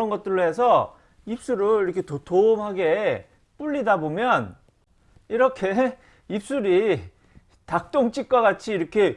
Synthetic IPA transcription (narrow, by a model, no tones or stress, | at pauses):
ʌnɡʌt̚t͈ɯɾɭːoɦe̞sʰʌ | ip̚s͈uɾɯɭiɾʌkʰe̞totʰomɦaɡe̞ | p͈uʎːidabomjʌn | iɾʌkʰe̞ | ip̚s͈uɾi | tak̚t͈oŋt͡ɕ͈ʰik̚k͈waɡat͡ɕʰiːɾʌkʰe̞